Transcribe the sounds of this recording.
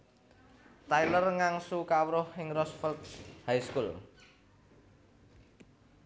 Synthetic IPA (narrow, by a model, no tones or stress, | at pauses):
t̪ajlərŋaŋsukawɾʊhːɪŋrɔsfəlt̪̚hajskul